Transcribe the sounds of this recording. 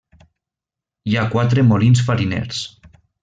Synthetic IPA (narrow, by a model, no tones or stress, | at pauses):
iakwat̪ɾemolins̬faɾinḛɾs